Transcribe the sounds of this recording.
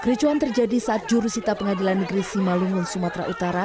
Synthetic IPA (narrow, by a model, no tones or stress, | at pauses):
kɾit͡ʃuant̪ərd͡ʒadisaʔːt̪̚d͡ʒuɾusit̪apəŋadilanːəɡɾisimaluŋʊnsumat̪ɾa̰ʔut̪aɾa